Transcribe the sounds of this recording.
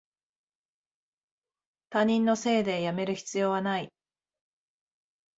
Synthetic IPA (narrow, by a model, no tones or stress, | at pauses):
t̪aɲ̟ĩnːo̞se̞ːd̪e̞jame̞ɾɯ̟çi̥t͡sɨjo̞ːβanai